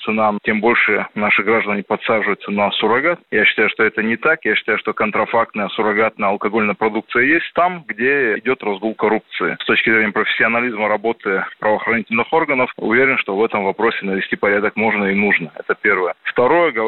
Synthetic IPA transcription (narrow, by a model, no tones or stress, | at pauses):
t̪sɨnatʲembo̞lʲʂɨnaʂɨɡɾaʐd̪ənʲɪpɐt̪saʐɨjʊt̪sənɐsʊɾɐɡat̪̚jaɕːɪ̥t̪ajʊʂt̪o̞ɛt̪ənʲɪt̪akjaɕːɪ̥t̪ajʊʂt̪o̞kənt̪ɾɐfak̚t̪nəjəsʊɾɐɡat̪̚nəjəɐlˠkɐɡo̞lʲnəjəpɾɐd̪uk̚t̪sɨjəjesʲt̚ʲt̪amɡdʲeɪdʲo̞t̪rɐzɡolˠkɐɾup̚t̪sɨɪ̰st̪o̞t͡ɕkʲɪzɾʲenʲɪjəpɾəfʲɪ̥sʲːɪɐnɐlʲizməɾɐbo̞t̪ɨpɾəvɐːxɾɐnʲitʲɪlʲnɨxo̞rɡənəfʊ̰vʲeɾʲɪnʂt̪o̞vɛt̪əmvɐpɾo̞sʲɪnəvʲɪsʲtʲipɐɾʲad̪əkmo̞ʐnəɪnuʐnəɛ̰t̪əpʲe̞rvəjəft̪ɐɾo̞jəɡə